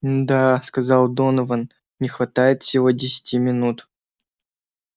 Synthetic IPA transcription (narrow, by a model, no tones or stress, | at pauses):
d̪askɐzɑlˠd̪onəvən | nʲɪxvɐt̪ajɪt̪fsʲɪvodʲɪsʲɪ̥tʲimʲɪnut̪